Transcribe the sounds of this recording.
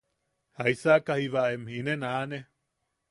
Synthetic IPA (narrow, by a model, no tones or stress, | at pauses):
haisakahiβaemhinenane